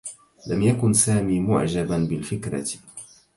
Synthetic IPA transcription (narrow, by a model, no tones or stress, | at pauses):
lamjakʊnsaːmiːmʊ̰ʕd͡ʒabanbɪlfɪkɾɑ̰